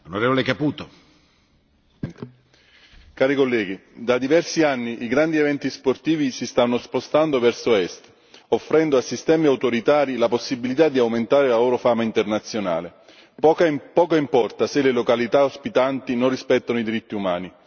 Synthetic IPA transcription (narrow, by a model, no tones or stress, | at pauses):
onoɾeːvolekapuːt̪o | nt̪ | kaːɾikolːɛːɡid̪ad̪ivɛrsianːiʔiɡɾand̪ievɛnt̪isport̪iːvisist̪anːospost̪and̪ovɛrsoɛst̪ | ofːɾɛnd̪oasːist̪ɛːmiawt̪oɾit̪aːɾilaposːibilit̪ad̪ːiawment̪aːɾelaloːɾofaːmaint̪ernat̪sːjona̰ːle | pkapɔːkaimpɔrt̪aselelokalit̪aospit̪ant̪inonrispɛt̪ːanoid̪iɾit̪ːiumaːni